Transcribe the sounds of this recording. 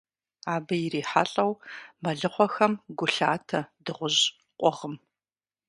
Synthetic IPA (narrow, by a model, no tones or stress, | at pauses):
aːbɐjɪriːħa̰ɬʼɐwmɐɮɨχʷɔxɐmɡʷʊɬaːtʰɐdɨʁʷʊʑ | qʷʼɔʁəm